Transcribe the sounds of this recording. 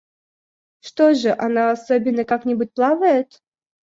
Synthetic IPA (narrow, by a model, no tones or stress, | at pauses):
ʂt̪oʐɨʔanaɐsobʲɪnːəkaknʲɪbut̚ʲplˠavəjɪt̪